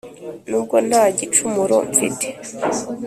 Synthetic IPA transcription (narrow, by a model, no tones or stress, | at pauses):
nuːb̚ɡo̞n̥haːɟit͡ʃumuɾo̰ɱfḭte̥